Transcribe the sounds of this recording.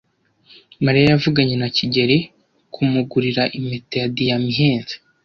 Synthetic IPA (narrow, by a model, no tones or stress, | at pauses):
maɾijajavuɡaɲe̞naciɟe̞ɾe | kʰumuɡuɾiɾaʔime̞tejadijamiɦeːnze̥